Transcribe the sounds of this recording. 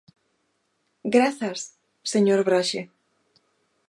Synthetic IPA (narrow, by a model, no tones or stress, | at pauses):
ɡɾaθas | seɲoɾβɾaʃe